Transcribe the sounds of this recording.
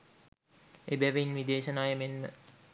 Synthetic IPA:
ebæʋəinʋid̪eːʃənaːjəmenmə

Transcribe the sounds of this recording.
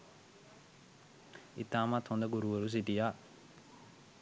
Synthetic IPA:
ḭt̪aːmat̪hond̪əɡuɾuʋəɾus̬iʈija

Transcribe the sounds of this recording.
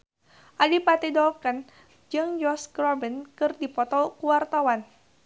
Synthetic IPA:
ʔalipat̪idɔlkən | d͡ʒɨŋd͡ʒɔskɾɔbinkɨrdipɔt̪ɔkuwart̪awan

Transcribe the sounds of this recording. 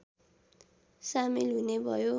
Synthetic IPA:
samilɦunebʱʌjo

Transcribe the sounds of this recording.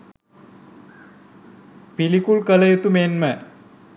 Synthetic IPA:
pilikulkələjut̪umeːnmə

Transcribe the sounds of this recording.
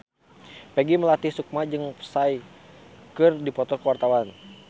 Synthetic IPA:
pɛɡiməlat̪isuk̚mad͡ʒɨŋpə̥saj | kɨrdipɔt̪ɔkəwart̪awan

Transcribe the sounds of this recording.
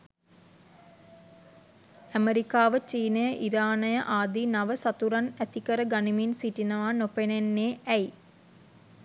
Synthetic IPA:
æmeɾikaːʋət͡ʃiːnɐjəʔiɾaːnɐjɐʔaːd̪inɐʋəsɐt̪uɾɐnæt̪ikɐɾəɡɐniminsiʈinɐʋaːnopenenːeːæj

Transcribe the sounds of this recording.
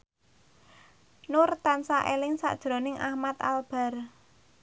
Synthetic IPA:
nʊrt̪ansaʔelɪŋsa̰ʔd̥ʒ̥ɾo̤nɪŋʔahmat̪a̰lb̥a̤r

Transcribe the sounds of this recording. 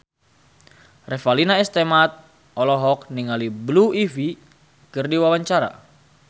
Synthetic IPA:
rɛfalinaist̪emat̪̚ | ɔlɔɦɔk̚niŋalibluivi | kɨrdiwawaɲt͡ʃaɾa̰

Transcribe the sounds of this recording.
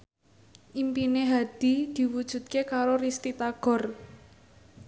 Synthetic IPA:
ʔimpineɦad̪̥i̤d̪̥i̤wud̥ʒ̥ṳt̪̚kekaɾorist̪it̪aɡ̥ɔ̤r

